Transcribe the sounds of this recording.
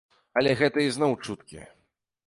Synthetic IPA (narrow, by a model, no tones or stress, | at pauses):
ɐlʲɛɣɛt̪ɐiznɔwt͡ʂut̪kʲḭ